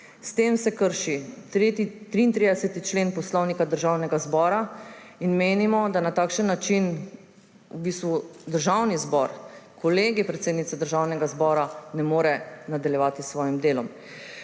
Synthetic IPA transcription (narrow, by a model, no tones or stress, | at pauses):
st̪eːmsɛkəɾʃiɾet̪it̪ɾiːnt̪ɾid̪ɛsɛt̪it͡ʃleːnpɔslɔwnikad̪əɾʒawnɛɡazbɔːɾa | inmeːnimɔd̪anat̪aːkʃənːat͡ʃin | ubiːst̪ʋud̪əɾʒawnizbɔɾkʰɔleːɡipɾɛt̪seːd̪nit̪sɛd̪əɾʒaːwnɛɡazbɔːɾanɛmoːɾɛnad̪aljɛʋaːt̪isʋɔːjimd̪eːlɔm